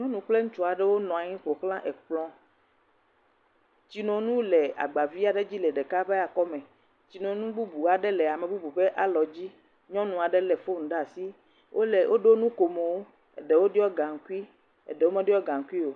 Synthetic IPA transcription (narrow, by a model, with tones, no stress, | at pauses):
ɲɔ̃˦nũ˨k͡ple˦ŋũ˦t͡ʃu˨a˨ɖe˦wo˦nɔ̃˨a˨ɲĩ˦ɸo˨xlã˦ʔe˨k͡plɔ̃˦ | t͡ɕi˨nɔ̃˨˦nũ˦le˨a̰˨ɡ͡ba˨vi˦a˨ɖe˦d͡ʑi˦lɛ˨ɖe˨ka˦be˦ja˨kɔ˦mẽ˨ | t͡ɕi˨nɔ̃˨˦nũ˦bu˦bu˨a˨ɖe˦lɛ˨a˨me˨bu˦bu˨ɸe˦ʔa˦lɔ˨d͡ʑi˦ | ɲɔ̃˦nũ˨a˨ɖe˦lɛ˨fo˦ŋ̩̃˨ɖa˦˨si˦ | wʔo˦le˨wʔo˦ɖo˦nũ˦ko˨me˨wo˦ | ḛ˨ɖe˨wo˦ɖi˦ɔ˦ɡã˨ŋ̩˨ku˦i˦ | ḛ˨ɖe˨wo˦mẽ˦ɖi˦ɔ˦ɡã˨ŋ̩˦ku˦i˦o˨